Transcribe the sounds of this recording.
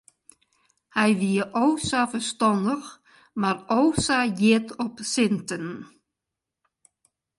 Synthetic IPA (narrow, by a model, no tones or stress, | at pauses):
hɛjʋiəʔowsafəstɔndəx | marowsajɪtʰɔpsɪntən